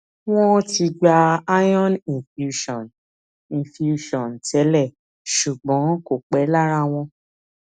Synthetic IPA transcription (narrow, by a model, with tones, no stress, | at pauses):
w̃ɔ̃˦ti˧ɡ͡ba˧a˦jɔ̃˦nĩ˨fju˧ʃɔ̃˨n | ĩ˨fi˨u˧ʃɔ̃˨n˨tɛ˨˦lɛ˦˨ | ʃu˨ɡ͡bɔ̃˨˦ko˦˨k͡pɛ˨˦la˦ɾ̃ã˧w̃ɔ̃˧